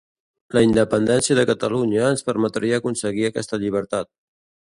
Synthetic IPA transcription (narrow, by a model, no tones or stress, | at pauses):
ləind̪əpənd̪ɛnsiəðəkət̪əluɲəːnspəɾmət̪ɾiəːkunsəɣiəkɛ̰st̪əʎiβ̞əɾt̪at̪̚